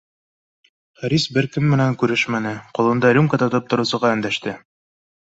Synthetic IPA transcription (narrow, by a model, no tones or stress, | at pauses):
χæɾisbɘɾkɘmːɘ̆næŋkʉɾɘʃmænɘqŏlˠɤ̆nd̪ɑlʲumkat̪ŏt̪ɤp̚t̪ŏɾɤ̆wsɤ̆ʁɑɵ̆nd̪æʃt̪ɘ